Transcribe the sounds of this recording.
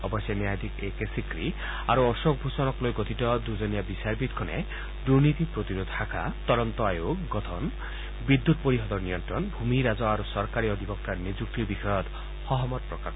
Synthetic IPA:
ɔbɔsjɔnjajd̪ʱikekesikɾi | aɾuɔsok̚bʱusɔnɔklojɡot̪ʰit̪ɔd̪ud͡ʒɔnijabisaɾbit̪̚kʰɔnḛ | d̪uɾnit̪ipɾot̪iɾod̪ʱhakʰa̰t̪ɔɾɔnt̪ɔajoɡɡɔt̪ʰɔn | bid̪ːut̪̚poɾiɦɔd̪ɔɾnijɔnt̪ɾɔnbʱumiɾad͡zɔaɾusɔɾkaɾiɔd̪ʱibɔkt̪aɾned͡ʒuk̚t̪ibixɔjɔt̪ | hɔɦɔmɔt̪̚pɾɔkak

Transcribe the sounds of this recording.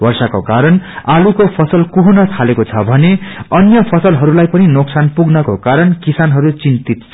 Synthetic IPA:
bʌrsakokaɾʌnalukopʰʌsʌlkuɦunʌt̪ʰalekot͡sʰʌbʱʌneʌnjʌpʰʌsʌlɦʌɾulajpʌninoksanpuɡnʌkokaɾʌnkisanɦʌɾut͡sint̪it̪t͡sʰʌ

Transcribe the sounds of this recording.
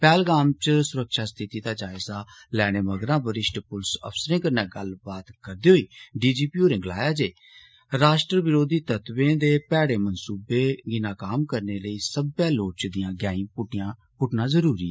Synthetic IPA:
pɛːlɡaːmt͡ʃsʊɾəkʃaːst̪ʰɪt̪iːd̪aːd͡ʒaːɪzaːlɛːɽ̃eːməɡɾãːbəɾɪʃʈpʊlsə̰pʰsəɾẽːkəɾnɛːɡəlbaːt̪kəɾd̪eːɦoiːɖiːd͡ʒiːpiːoːɾɪ̃ŋɡlaːjaːd͡ʒeː | ɾaːʃʈɾəʋɪɾoːd̪iːt̪ət̪ʋẽːd̪eːpɛːɽeːmənsuːbeːɡɪnaːkaːmkəɾneːləiːsəbjaːloːt͡ʃd̪ɪjãːɡjaːĩːpʊʈãː | pʊʈnãːzəɾuːɾiːɛː

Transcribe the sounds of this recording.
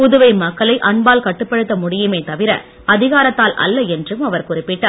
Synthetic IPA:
pʊðʊʋɐɪmɐkːɐɭɐɪʔɐɳbaːlkɐʈːɯpːɐɽɯt̪ːɐmʊɽɪjɯmeːt̪ɐʋɪɾɐ̰ | ɐðɪɣaːɾɐt̪ːaːlʔɐ̰lːɐɛndrɯmɐʋɐɾkʊrɪpːɪʈːaː

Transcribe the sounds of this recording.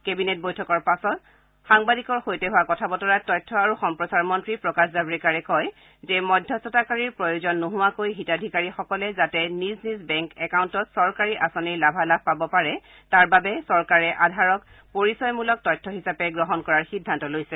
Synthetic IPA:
kebinet̚bojtʰɔkɔɹpasɔt | xaŋbadikɔɹxojtɛɦʊwakɔtʰabɔtɔɹatɔjtʰːɔaɹuxɔmpɹɔsaɹmɔntɹipɹɔkaszabɹɛkaɹɛkɔj | zɛmɔdʱːɔsɔtakaɹiɹpɹɔjozɔnːuɦʊwakojɦitadʱikaɹixɔkɔlɛzatɛniznizbɛŋkɛkawuntɔtsɔɹkaɹiʔasoniɹlabʱalab̚ʱpabɔpaɹɛ | taɹbabɛsɔɹkaɹɛʔadʱaɹɔk | poɹisɔjmulɔk̚tɔjtʰːɔɦisapɛɡɹɔɦɔnkɔɹaɹxidʱːantɔlojsɛ

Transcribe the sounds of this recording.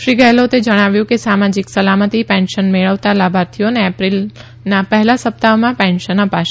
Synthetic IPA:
ʃɾiɡəlot̪ed͡ʒəɽ̃aʋjũkesamad͡ʒiksəlamət̪ipɛ̃nʃənmeɭəʋt̪alabʱaɾt̪ʰioneːpɾil | napəɦlasəp̚t̪aomãpɛ̃nʃənəpaʃ

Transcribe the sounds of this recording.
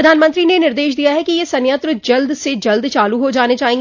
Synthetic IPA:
ɐd̪ʱaːnmə̃nt̪ɾinenɪɾd̪eːʃd̪ijaɦɛkijesɐnjət̪ɾəd͡ʒɐld̪sed͡ʒɐld̪t͡ʃaːluɦod͡ʒaːned͡ʒaːɦẽŋ

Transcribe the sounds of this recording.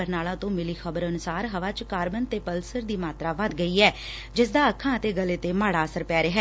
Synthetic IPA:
əɾnaːlãːt̪õːmɪliːxəbəɾənʊsaːɾɦəʋaːt͡ʃkaːɾbənt̪eːpəlsəɾd̪iːmaːt̪ɾaːʋəd̪ɡəiːɛː | d͡ʒɪsd̪aːəkʰːãːət̪eːɡəleːt̪eːmaːɽaːəsəɾpɛːɾeɦɛː

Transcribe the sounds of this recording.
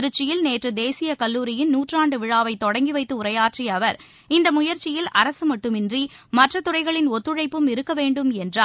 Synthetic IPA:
ɾɯt͡ʃːɪjɪlneːʈrɯd̪eːsɪjɐkɐlːuːɾɪjɪnnuːʈraːɳɖɯʋɪɻaːʋɐɪt̪ːɔɽɐŋɡiʋɐɪt̪ːɯʊɾɐjaːʈriɐʋɐɾ | ɪnd̪ɐmʊjɐɾt͡ʃɪjɪlɐɾɐsɯmɐʈːɯmɪndrimɐʈrɐt̪ʊrɐɪɣɐɭɪnɔt̪ːɯɻɐɪpːɯmɪɾɯkːɐʋeːɳɖɯmɛndraː

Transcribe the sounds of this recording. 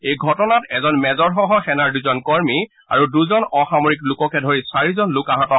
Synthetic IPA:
ejɡʱɔtɔnatɛzɔnmɛzɔɹxɔɦɔxɛnaɹduzɔnkɔɹmi | a̰ɹuduzɔnɔxamoɹiklʊkɔkɛdʱoɹisaɹizɔnlʊkaɦatɔ

